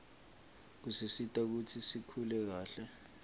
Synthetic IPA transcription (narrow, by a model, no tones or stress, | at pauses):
k̬usisitʼak̬ut͡sʰisikʰulɛk̬aːɬɛ